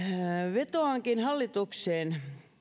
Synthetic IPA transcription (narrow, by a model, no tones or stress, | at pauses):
ʋet̪oɑŋkinhɑlːit̪ukseːn